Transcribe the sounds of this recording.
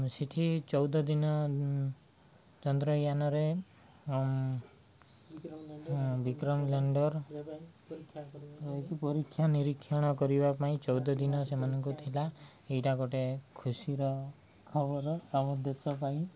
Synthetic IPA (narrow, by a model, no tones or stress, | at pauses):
siʈʰit͡ʃɔwd̪ɔd̪inɔ | t͡ʃɔnd̪ɾɔjanɔɾe | ɦbikɾɔmlaɳɖɔɾ | ekipɔɾikʰːjaniɾikʰːjɔɽ̃ɔkɔɾibapaĩt͡ʃɔwd̪ɔd̪inɔsemanɔŋkut̪ʰila | ejʈaɡɔʈekʰusiɾɔ | kʰɔbɔɾɔabɔd̪esɔpaĩ